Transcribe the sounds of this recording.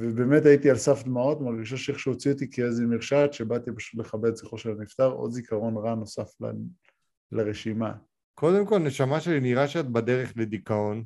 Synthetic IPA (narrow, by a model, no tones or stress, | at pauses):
vebeme̞t̪ait̪ialsafd̪mao̞t̪maʁɡiʃ̬aʃeeχʃeot͡siot̪ikeezimeʁʃat̪ʃe̞bat̪ipaʃu̥t̪le̞χabe̞d̪ziχoʃelanift̪aʁʔo̰d̪zikaʁo̞nʁano̞safla̰ | laʁeʃima̰ | ko̞d̪e̞mko̞lne̞ʃamaʃeliniʁaʃat̪bad̪eʁeχled̪ikao̞n